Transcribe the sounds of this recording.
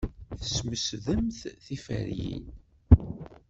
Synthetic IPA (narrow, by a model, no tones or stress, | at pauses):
θə̥sməsðəmθθifæ̰ɾjḭn